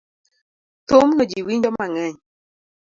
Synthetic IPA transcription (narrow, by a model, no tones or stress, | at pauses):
t̪omnɔd͡ʒiwiɲd͡ʒɔmaŋɛɲ